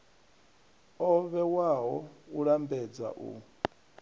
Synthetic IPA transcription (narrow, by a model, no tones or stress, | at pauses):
ɔβɛwaɦɔuɺambɛd͡za̰ʔṵ